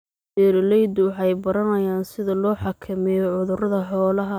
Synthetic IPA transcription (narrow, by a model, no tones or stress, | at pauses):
dɛːɾlɛjd̪wɑħɑjbɐɾɐnɐjaːnsɪðɐlɔːħɑkʰɐmɪjɔʕʊðʊrɐðɐħɔːlɐɦɐ